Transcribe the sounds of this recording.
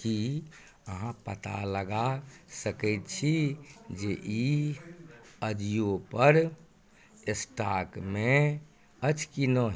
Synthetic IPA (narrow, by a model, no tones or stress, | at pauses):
ki | əɦãpət̪a̰ləɡasəkɛɪt̪t͡ʃʰid͡ʒeʔi | əd͡ʒijopəɾ | esʈakmẽ | ət͡ʃkinoɦ